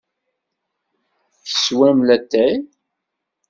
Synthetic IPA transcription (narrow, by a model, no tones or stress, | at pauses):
θə̥swæmlæt̪ːæj